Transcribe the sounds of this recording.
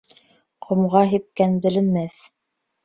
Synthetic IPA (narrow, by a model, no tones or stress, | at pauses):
qʰŏmʁɑɦip̚kænbɘ̆lɘ̆nmæθ